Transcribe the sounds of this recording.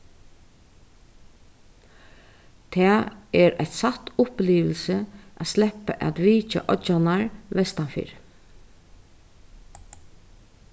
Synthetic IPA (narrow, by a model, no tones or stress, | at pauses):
t̪ʰɛːɛɾæçt̪sat̪ʊpliːʋəlsəʔæt̪slɛhpəʔæ̰t̪ʋiːt͡ʃa̰ʔɔanaɹʋɛst̪anfḭːɾ